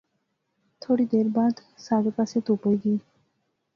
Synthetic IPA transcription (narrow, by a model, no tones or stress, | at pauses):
t̪ʰoɽid̪eɾbad̪saɡekasʰet̪upojɡi